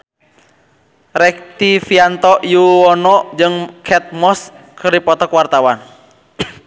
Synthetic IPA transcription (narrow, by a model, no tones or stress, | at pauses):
ɾɛk̚t̪ifiant̪ɔʔjuwɔnɔd͡ʒɨŋkʰɛt̪̚mɔskərɾipɔt̪ɔkwart̪awan